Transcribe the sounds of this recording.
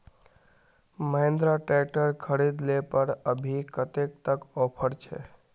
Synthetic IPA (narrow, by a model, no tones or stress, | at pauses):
məɦẽnd̪ɾaʈɛʈəɾkʰəɾid̪lepəɾəbʱikət̪ek̚t̪əkɔpʰəɾt͡ʃʰɛ̰